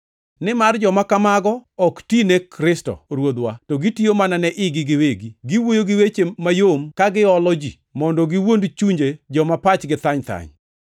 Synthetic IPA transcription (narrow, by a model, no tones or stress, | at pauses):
nɪmard͡ʒɔmakamaɡɔɔktinekɾɪstɔ̰ɾwod̪watɔɡitiomananɛʔɪɡɪɡɪweɡiɡɪwojoɡɪwet͡ʃeːajomkaɡɪɔlɔd͡ʒi | mɔndɔɡɪwondt͡ʃuɲd͡ʒed͡ʒɔmapat͡ʃɡɪt̪aɲt̪a̰ɲ